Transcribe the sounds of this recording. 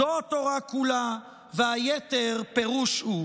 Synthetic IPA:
oat̪oʁakula | veajet̪eʁpeʁuʃhu

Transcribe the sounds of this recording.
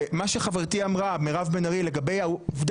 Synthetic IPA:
maʃeχaveʁt̪iamʁameʁavbenaʁile̞ɡabe̞jauvd̪

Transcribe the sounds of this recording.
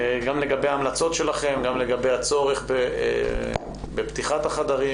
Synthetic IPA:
ɡamle̞ɡabejaːmlat͡so̞t̪ʃe̞laχe̞mɡamle̞ɡabejat͡so̞ʁeχbḛ | bept̪iχat̪aχad̪aʁi

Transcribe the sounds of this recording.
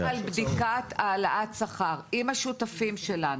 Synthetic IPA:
albdikataːlaʔat̪saχaʁʔimhaʃutafimʃelan

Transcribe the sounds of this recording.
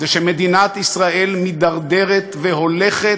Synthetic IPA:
eʃemed̪inat̪isʁaelmid̪aʁd̪eʁet̪veɦo̞leχe

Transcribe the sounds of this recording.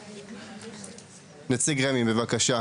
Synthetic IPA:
net͡siɡʁemimbevakaʃa

